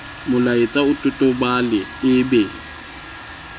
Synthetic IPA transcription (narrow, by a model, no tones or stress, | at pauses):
mʊlaɪt͡sʼaʊtʼʊtʼʊbalɪɪbe